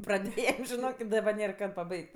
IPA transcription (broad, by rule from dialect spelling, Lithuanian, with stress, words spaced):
prɐˈdʲeːjɛm ʒʲɪˈnoːk ɪ dɐˈbɐr ˈnʲeːr ˈkɐt pɐˈbɐɪkʲtʲ